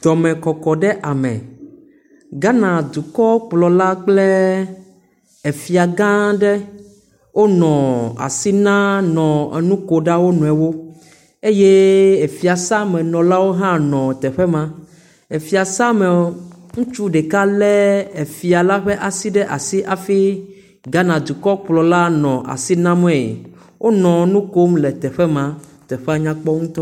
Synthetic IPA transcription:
d̪̥ɔ˨mɛ̃˨kɔ˨kɔ˨ɖɛ˦ʔa˨mɛ̰̃˨ | ɡa˦nã˨d̪u˨kɔ˦k͡plɔ˨la˦k͡plɛ˦ | e˨fi˨a˨ɡã˦ɖɛ˦ | wo˦nɔ̃˨a̰˨si˦nã˦nɔ̃˨ḛ˨nũ˦ko˨ɖa˦wo˦nũ˨ɛ˨wo˦ | e˦je˦e˨fi˨a˨sa˦mɛ̃˨nɔ̃˨la˦wo˦ɦã˦nɔ̃˨t̪ɛ˨ɸɛ˦mã˦ | e˨fi˨a˨sa˦me˨ | ŋũ˦t͡ʃu˦ɖe˨ka˦lɛ˦e˨fi˨a˨la˦ɸe˦ʔa˨si˦ɖɛ˦ʔa˨si˦ʔa˨fi˦ | ɡa˦nã˨d̪u˨kɔ˦k͡plɔ˨la˦nɔ̃˨ʔa̰˨si˦nã˦m˦ɛ̃˦˨jḛ˨ | wʔo˦nɔ̃˨˦nũ˦ko˦mle˨t̪ɛ˨ɸɛ˦mã˨ | t̪ɛ˨ɸɛ˦a˨ɲã˦k͡pɔ˦ŋũ˦t̪ɔ˦

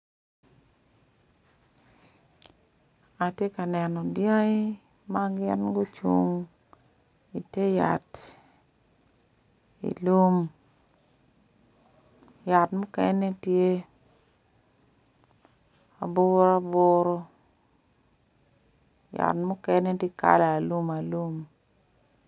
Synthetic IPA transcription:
a˨tje˦ka˨nɛ˨nɔ˨dja˦ɪ˦ | ma˦ɡɪ˦nɡo˦t͡ʃṵ˦ŋ | i˨te˦ja̰˨t | ḭ˨lu˦m | ja˨tmʊ˦kɛ˦nɛ˦tje˦ | a˨bo˦ɾa˦bo˦ɾo˦ | ja̰˨tmʊ˦kɛ˦nɛ˦te˦ka̰˦la˨a˨lu˦ma˨lu˦m

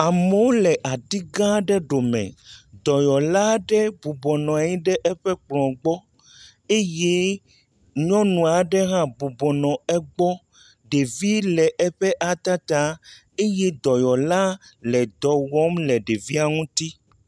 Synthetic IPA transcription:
a˨me˨wo˦lɛ˨ʔa˨d̪i˦ɡã˦ɖɛ˦ɖo˨mɛ̰̃˨d̪ɔ˨jɔ˨la˦ɖɛ˦bu˨bɔ˨nɔ̃˨a˨ɲĩ˦ɖɛ˦ʔɛ˦ɸɛ˦k͡plɔ̃˨ɡ͡bɔ˦ | e˦je˦ | ɲɔ̃˦nũ˨a˨ɖɛ˦ɦã˦bu˨bɔ˨nɔ̃˨ɛ˦ɡ͡bɔ˦ | ɖe˨vi˦lɛ˨ʔɛ˦ɸɛ˦ʔa˨t̪a˦t̪a˦ | e˦je˦d̪ɔ˨jɔ˨la˦lɛ˨d̪ɔ˨wɔ˦mlɛ˨ɖe˨vi˦a˨ŋũ˦t̪i˦

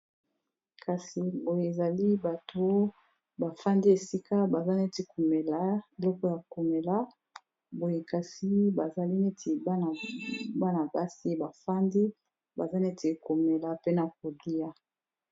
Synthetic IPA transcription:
ka˨si˨bo˨je˨e˨za˨li˦ba˨to˦ | ba˨fa˦ndi˦e˨si˦ka˦ba˨za˦ne˦te˨ku˨me˨la˦e˨lɔ˦kɔ˦ja˨ku˨me˨la˦ | bo˨je˨ka˨si˦ba˨za˨li˦ne˦tʰi˨˦n˨ba˦na˨ba˦si˦ba˨fa˦ndi˦ | ba˨za˦ne˦tʰe˨ko˨me˨la˨pe˦na˨k̚o˨di˦a˦

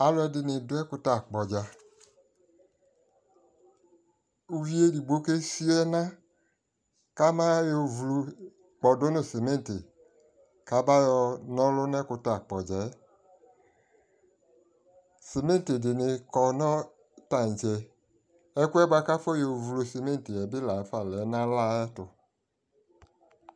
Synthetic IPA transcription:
a˨lʊ˦ɛ˧dɪ˧nɪ˧˨dʊ˦ɛ˦ku˧ta˨k͡pɔ˨d͡ʒa˧ | u˦vi˦e˦di˨ɡ͡bo˨˦ke˦si˦ɛ˦na˦ | ka˦ma˦jo˨vlu˧ | k͡pɔ˨do˦no˦˨se˨me˦n˨te˨ | ka˨˦ba˦jɔ˧nɔ̃˦lʊ˦nɛ˦kʊ˧ta˨k͡pɔ˨d͡ʒɛ˨˦ | se˨me˦n˦te˨dɪ˨nɪ˨˧kɔ˨nɔ̃˦ | ta˦˨n˨d͡ʒɛ˨ | ɛ˦ku˦ɛ˦ba˦ka˦fɔ˦jo˨vlo˨se˨me˦n˨te˨ɛ˨bɪ˦la˨˦fa˨lɛ˨˦nã˦la˦ɛ˦tʊ˨

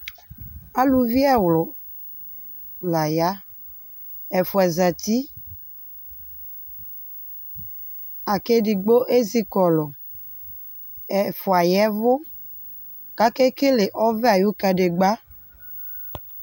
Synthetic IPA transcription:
a˦lu˨vi˦ɛ˦wlɔ˨ | la˨ja˦ | ɛ˨fo˨ɛ˨za˨t̪i˦ | a˨ke˦ɖi˨ɡ͡bo˦ʔe˦zi˦kɔ˨lɔ˨ | ɛ˨fo˨a˨jɛ˦vo˦ | ka˦ke˦ke˦le˨ʔɔ˦vɛ˦a˨ju˦ka˨ɖe˨ɡ͡ba˦

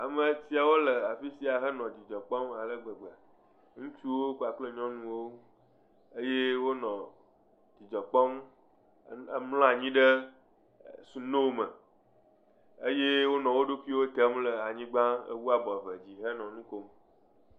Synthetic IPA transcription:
a˨mə˨si˦a˨wo˦lə˨a˨fi˦si˦a˨ɦə˦nɔ̃˨d͡ʑi˨d͡ʒɔ˨k͡pɔ˦ma˨lə˦ɡ͡bə˨ɡ͡ba˨ | ŋũ˦t͡ʃu˦wo˦ku˦a˨k͡plə˦ɲɔ̃˦nũ˦wo˦ | e˦je˦wo˦nɔ̃˨ | d͡ʑi˨d͡ʒɔ˨k͡pɔ˦m˦ | mlɔ̃˦a˨ɲĩ˦ɖə˦ | su˨no˦mə˨ | e˦je˦wo˦nɔ̃˨wo˦ɖo˦ku˦i˦wo˦t̪ə˦mlə˨a˨ɲĩ˦ɡ͡bã˦ə̰˦wu˦a˨bɔ˨və˨d͡ʑi˨ɦə˦nɔ̃˨nũ˦ko˦m

